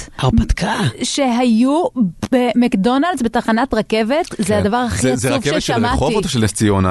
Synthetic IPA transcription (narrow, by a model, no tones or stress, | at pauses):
aʁbat̪kʰaʃe̞ɦajubemekdo̞naldzbetaχanatʁake̞ve̞tzeadavaʁhaχiuveeʃamaoivot̪oʃeleft͡siona